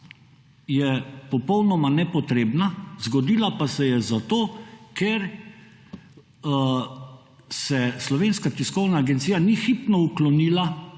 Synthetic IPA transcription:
jɛpɔpɔwnɔmanɛpɔt̪ɾeːbnazɡɔd̪iːlapasɛjɛzat̪oːkeɾ | sɛslɔʋeːnskat̪iskɔwnaːɡɛnt̪siːjanixipnɔuklɔniːla

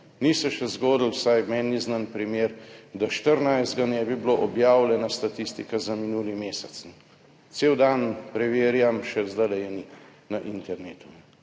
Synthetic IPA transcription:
nisɛʃɛzɡoːd̪l̩wsajmɛnːiznanpɾimeːɾd̪aʃt̪əɾnajzd̪ɡanɛbibloʔɔbjaːwlʲɛnast̪at̪ist̪ikazaminuːlimeːsɛt̪sn | t̪seːwd̪anpɾɛʋeːɾjamʃɛzd̪alɛjɛni | naʔint̪ɛɾneːt̪unɛ

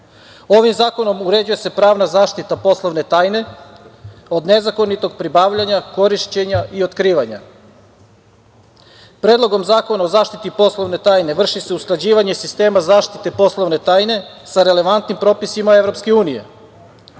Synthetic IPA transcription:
o̞ʋimzaːko̞no̞muɾe̞d͡ʒujese̞pɾaːʋnazaːʃt̪it̪apo̞slˠoʋne̞t̪aːjne̞ | o̞d̪ne̞zako̞nit̪o̞ɡpɾibaːʋʎaɲako̞ɾiʃt͡ɕe̞ɲaʔio̞t̪kɾiːʋaɲa̰ | pɾeːd̪lˠo̞ɡo̞mzaːko̞nao̞zaːʃt̪it̪ipo̞slˠo̞ʋne̞t̪aːjne̞ʋr̩ʃise̞usklˠad͡ʑiːʋaɲe̞sist̪e̞ːmazaːʃt̪it̪e̞po̞slˠo̞ʋne̞t̪aːjne̞saɾe̞le̞ʋant̪nimpɾo̞ːpisimae̞ʋɾo̞pske̞uːnije̞̰

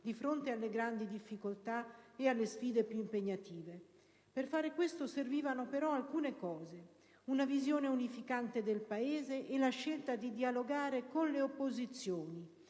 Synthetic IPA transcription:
d̪ifɾont̪ealːeɡɾand̪id̪ifːikolt̪aealːesfiːd̪epjuimpeɲːat̪iːve | perfaːɾekwest̪oserviːvanopeɾɔalkuːnekɔːze | unavizjoːneunifikant̪ed̪elpaeːzeʔelaʃːelt̪ad̪id̪ialoɡaːɾekonleopːozit̪sːjoːni

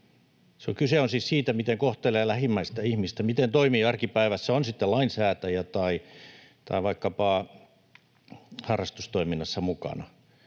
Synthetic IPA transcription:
seo̰ŋkyseonsissiːt̪æmit̪eŋkoht̪eleːlæhimːæist̪æihmist̪æmit̪ent̪oimiːɑrkipæiʋæsːæonsit̪ːelɑinsæːt̪æjæt̪ɑi | t̪ɑ̰iʋɑikːɑpɑːˑ | hɑrːɑst̪ust̪oiminːɑsːɑmukɑ̰nɑ̰

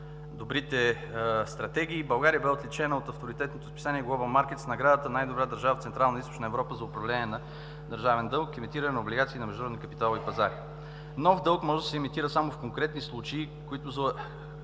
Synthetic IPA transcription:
d̪obɾit̪ɛ | st̪ɾɐt̪ɛɡ̟ʲiːbɐlˠɡaɾijəbɛot̪lit͡ʃɛnəot̪ɐft̪oɾit̪ɛt̪not̪ʊspisaniɛɡlˠɔbəmaɾk̟ɛt̪snɐɡɾad̪ət̪ənajd̪obɾad̪əɾʒavəft̪sɛnt̪ɾalˠnist̪o̥t͡ʃnəɛvɾɔpəzɐʊpɾɐvlɛnʲiɛnɐ | d̪ɐɾʒavɛnd̪ɤlˠkimit̪iɾənɛnɐʊblʲiɡat̪siːnɐmɛʒd̪nɾɔdnikəpit̪alˠipɐzaɾi | nɔfd̪ɤlˠkmɔʒɛd̪ɐsɛimit̪iɾəsamofkoŋkɾɛt̪nislˠut͡ʃɛː | koit̪ʊzɐ

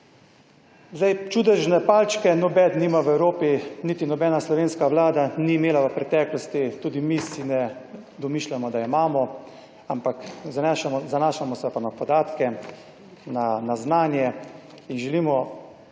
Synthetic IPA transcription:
zd̪ajt͡ʃuːd̪ɛʒnɛpaːlt͡ʃkɛnɔbɛd̪niːmaʋɛwɾoːpinit̪inɔbɛːnaslɔʋeːnskaʋlaːd̪aniːmeːlaʋəpɾɛt̪ɛːklɔst̪it̪uːd̪imisinɛ | d̪ɔmiʃlʲamɔd̪aimaːmɔ | ampakzʃazanaːʃamɔsɛpanapɔd̪aːt̪kɛ | nanaznaːnjɛ | inʒɛliːmɔ

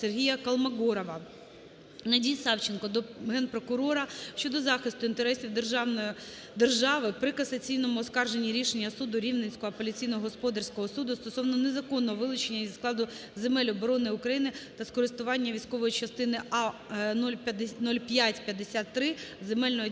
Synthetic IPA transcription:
serɦʲijɐkɐlˠmɐɡɔɾɔʋɐ | nɐdʲijsɑwt͡ʃenkɔd̪ɔɦɛnpɾɔkʊɾɔɾɐʃt͡ʃɔd̪ɔzɑxɪst̪ʊint̪eɾɛsʲiwd̪erʒɑnɔ | d̪erʒɑʋɪpɾɪkɐsɐt͡sʲijnɔmʊːskɑrʒenʲːiɾʲiʃenʲːɐsud̪ʊɾʲiwnesʲkɔɦɔɐpɔlʲit͡sʲijnɔɦɔɦɔspɔd̪ɐrsʲkɔɦɔsud̪ʊst̪ɔsɔʋnɔne̞zɐkɔnːɔɔʋɪlˠʊt͡ʃenʲːɐizklˠɑd̪ʊ | zemɛlʲɔbɔɾɔnɪʊkɾɐjinɪt̪ɐskɔɾɪst̪ʊʋɑnʲːɐʋʲijsʲkɔʋɔjit͡ʃɐst̪ɪnɪɑnɔlʲnɔlʲpʲjatʲpʲjɐd̪esʲat̪ːɾɪzemɛlʲnɔɦɔ

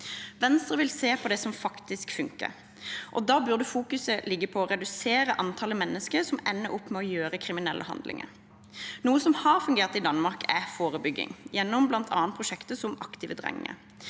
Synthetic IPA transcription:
ʋɛnst̪ʁəʋɪlseːpʰɔd̪ɛsɔmfɑkt̪ɪskfʉŋkə̰ɾ | ʔɔd̪ɑːbʉʁd̪əfuːkʉsəlɪɡːəpʰɔɔʁɛd̪ʉseːɾəʔɑnt̪ʰɑləmɛnːəskəʁsɔmɛnːəʔʊpːmɛɔjøːɾəkʰɾɪmɪnɛlʔə̰hɑ̰nd̪lʔɪ̰ŋə̰ɾ | nuːəsɔmhɑʁfʉŋɡeːʁt̪ɪd̪ɑnmɑʁkʰæfoːʁəbʏɡːɪ̰ŋjɛnːɔmblɑnt̪ʰɑ̰ːnpʰʁʊʃɛkt̪əsɔmʔɑkt̪iːʋəd̪ʁɛ̰ŋɪ̰ə̰

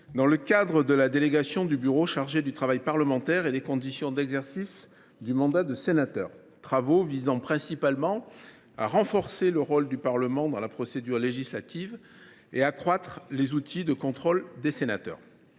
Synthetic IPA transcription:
d̪ɑ̃ləkad̪ʁəd̪əlad̪eleɡasjɔ̃d̪ybyʁoʃaʁʒed̪yt̪χavajpaʁləmɑ̃t̪ɛʁelekɔ̃d̪isjɔ̃d̪ɛɡzɛʁsis | d̪ymɑ̃d̪ad̪əsenat̪œ̰ːʁ | t̪χavovizɑ̃pχɛ̃sipalmɑ̃ | a̰ʁɑ̃fɔʁseləʁold̪ypaʁləmɑ̃d̪ɑ̃lapχɔsed̪yʁleʒislat̪iv | eakχwat̪χlezut̪ʰid̪əkɔ̃t̪χɔld̪esenat̪œ̰ːʁ

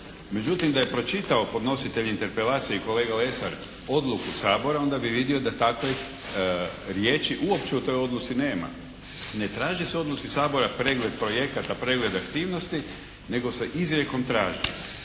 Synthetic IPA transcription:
me̞d͡ʒut̪imd̪aje̞pɾo̞t͡ʃit̪ao̞po̞d̪no̞sit̪eʎint̪eɾpelaːt̪sijeiko̞leːɡale̞saɾ | o̞d̪lukusaːbo̞ɾao̞nd̪abiʋid̪io̞d̪at̪ako | ɾjeːt͡ʃiʔuopt͡ʃeut̪o̞jo̞d̪lˠut̪sine̞ːma̰ | ne̞t̪ɾaːʒiseo̞d̪lˠut̪sisaːbo̞ɾapɾe̞ːɡle̞d̪̚pɾo̞je̞kat̪apɾe̞ːɡle̞d̪akt̪iːʋnost̪i | ne̞ɡo̞seʔizɾje̞ko̞mt̪ɾaːʒḭ

